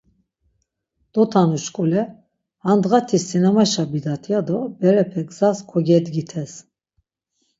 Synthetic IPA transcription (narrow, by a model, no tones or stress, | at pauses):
d̪̥ɔt̪ʰanuʃkʼulɛ | hand̪ɣat̪ʰisinamaʃabid̪at̪ʰjad̪ɔbɛɾɛpʰɛɡzaskʰɔɡɛd̪ɡit̪ʰɛs